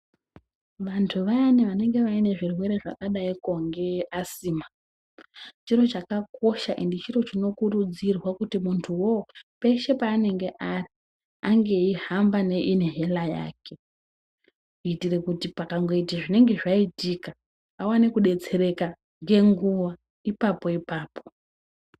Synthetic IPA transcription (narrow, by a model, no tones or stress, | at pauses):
ʋantʰuʋaniʋane̞ŋɡe̞ʋaine̞ʐirwe̞ɾe̞ʐa̰kaɗaikoŋɡe̞asiːma | t͡ʃiɾo̞t͡ʃakako̞ʃaʔendit͡ʃiɾo̞t͡ʃino̞kuɾud͡zirwakutimuntʰuwo̞pe̞ʃe̞paːne̞ŋɡe̞ʔari | aŋɡe̞ihambane̞ʔine̞ɦe̞laja̰ːkʰe̞ | iːtire̞kutipakaŋɡo̞itaʐine̞ŋɡe̞ʐaitikaː | wanekuɗet͡se̞ɾe̞ka | ŋɡe̞ŋɡuʋa | ipapo̞ipaːpo̞̥